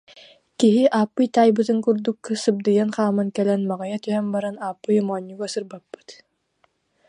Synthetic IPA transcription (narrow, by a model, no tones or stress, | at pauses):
kiɦiʔaːpːɯjt̪aːjbɯt̪ɯŋkuɾd̪ukːɯsɯb̚d̪ɯjanχaːmɯŋkɛlɛnmaʁajat̪yɦɛmbaɾanaːpːɯjmɔːɲʲːuɡɔsɯɾbapːɯ̥t̪